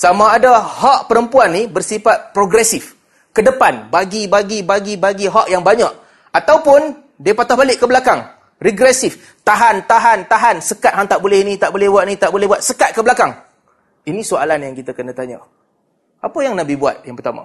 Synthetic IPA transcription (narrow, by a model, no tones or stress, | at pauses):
samaːdahaʔpəɾəmpuanːibərsifat̪̚pɾoɡɾɛsɪf | kədəpanbaɡibaɡibaɡibaɡiɦaʔjaŋbaɲaʔ | at̪awpʊn | diəpat̪ahbalɪʔkːəbəlakaŋ | riɡɾɛsɪf | t̪aɦant̪aɦant̪aɦansəkat̪̚ɦaŋt̪aʔbolɛhinĩt̪aʔbolɛhbuat̪̚nĩt̪aʔbolɛhbuat̪̚səkat̪̚kəbəlakaŋ | inĩsoa̰lanjaŋkit̪akənãt̪aɲa̰ | ʔapajaŋnabibua̰t̪̚jaŋpərt̪ama̰